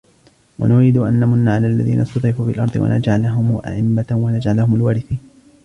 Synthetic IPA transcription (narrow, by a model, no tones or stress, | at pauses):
wa̰nʊɾiːd̪ʊʔanːamʊnːaːʕalaːʔlːaðḭːnʔast̪ʊɾɾɪfuːfɪlʔɑ̰ɾˤd̪ˤɨ̰wa̰na̰d͡ʒʕalaɦʊmʔa̰ʕʔɪmːawanad͡ʒʕalahʊmʊlwaːɾɪθiːn